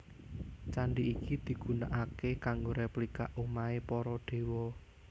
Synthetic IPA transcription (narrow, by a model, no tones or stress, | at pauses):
t͡ʃaɳɖiːkid̪̥i̤ɡ̥ṳnaʔakekaŋɡoɾeplika̰ʔumaepɔɾɔɖ̥e̤wɔ